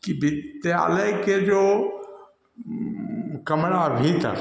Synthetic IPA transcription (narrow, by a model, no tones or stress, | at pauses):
kibɪt̪ja̰ːləjked͡ʒoː | kɐmɾabʱit̪ə̰